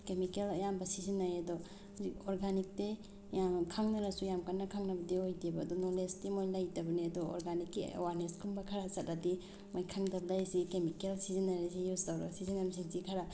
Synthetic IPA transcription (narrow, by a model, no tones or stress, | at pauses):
kemikelɐjambɐsizinːajɐdɔ | zikɔɾɡanik̚te | jamkʰaŋnɐɾɐsujamkanːɐkʰaŋnɐbɐdiojdibɐːdɔnɔlestimojlajtɐbɐniɐdɔɔ̰ɾɡanikːiḛwaɾneskʰumbɐkʰaɾasɐtɐdi | mojkʰaŋdɐb̚lajsikemikelsizinːaɾasijustawɾa̰sizinamsiŋzikʰaɾa